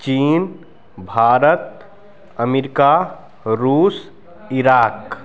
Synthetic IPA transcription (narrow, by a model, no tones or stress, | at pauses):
t͡ʃiːn | bʱaːɾət̪̚ | əmiɾika | ɾuːs | iɾaːk